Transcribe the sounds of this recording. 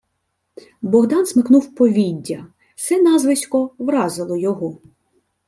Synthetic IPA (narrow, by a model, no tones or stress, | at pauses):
bɔɦd̪ɑnsmɪknuwpɔʋʲidʲːɐ | sɛnɑzʋɪsʲkɔwɾɑzɪlˠɔjɔɦɔ